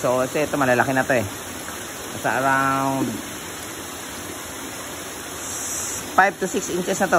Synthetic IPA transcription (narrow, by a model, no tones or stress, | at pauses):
sosɛːt̪omɐlalakɪnɐt̪oɛ | kasaʔaɾawnd̪̚ | fajv̚t̪usɪksʔɪnsɛsnɐt̪o